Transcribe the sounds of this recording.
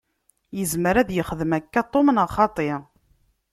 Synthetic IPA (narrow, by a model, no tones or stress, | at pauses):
jəzməɾæðjəχðəmækːat̪ˤːomənəχɑt̪ˤe